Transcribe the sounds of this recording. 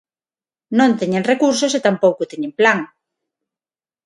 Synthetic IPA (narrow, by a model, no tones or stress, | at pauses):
nõnt̪eɲenrekuɾs̬oset̪ampowkʊt̪eɲẽmplaŋ